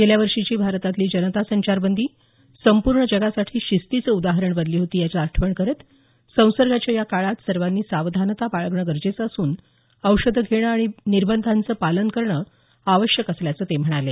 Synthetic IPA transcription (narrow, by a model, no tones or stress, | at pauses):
ɡeljaʋəɾʂit͡ɕiːbʱaɾt̪at̪liːd͡ʑənət̪asəɲt͡ɕaɾbənd̪ʱiː | səmpuɾɳəd͡ʑəɡasaʈʰiːɕist̪it͡səud̪aɦəɾəɳbəd̪liːɦot̪iːjat͡ɕaəʈʰʋəɳkəɾət̪ | sə̃w̃səɾɡʱat͡ɕjajakaɭat̪səɾʋanːiːsaʋd̪ʱanət̪apaɭəɡɳəɡəɾd͡ʑet͡səːsuːn | əwʂəd̪ʱəɡʱeɽ̃əaɽ̃iniɾbənd̪ʱant͡səːpalənkəɾɳə | aʋəɕjəkəsljat͡səːt̪em̤əɽ̃ale